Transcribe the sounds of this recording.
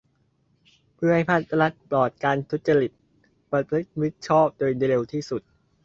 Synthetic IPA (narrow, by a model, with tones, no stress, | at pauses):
pʰɯ˥˩˨ha˥jpʰaː˥˩t̪ːa˧la˦˥t̪̚plɔː˨˩t̪̚kaː˧nt̪ʰu˦˥t̪̚t͡ɕa˧ɾi˨˩t̪̚ | pɾa˧pʰɾɯ˦˥t̪̚wi˦˥t̪̚t͡ɕʰɔː˥˩p̚doː˧jdɾe˧wt̪ʰiː˥˩su˨˩t̪̚